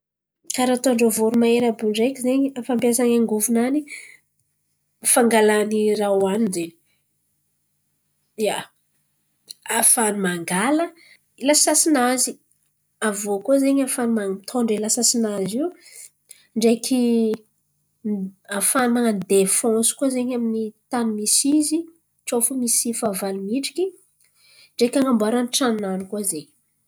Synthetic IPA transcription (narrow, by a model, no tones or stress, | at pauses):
kaɾat̪oɳɖ͡ʐəvoɾumaeɾabuɳɖ͡ʐekʲizeɲiafampjasaŋaŋɡuvunani | faŋɡalanirawaninze | ja | afanumaŋɡalə | ilasasinazi | avokuazeɲafanumat̪ʰoɳɖ͡ʐilasasinaziw | ɳɖ͡ʐekʰi | afanand̪efɔ̃su̥kuazeɲaminit̪anumisizi | ʈ͡ʂofumisifavalimiʈ͡ʂi̥kʲi | ɳɖ͡ʐekʲaŋambaɾanʈ͡ʂannanikuazeɲi̥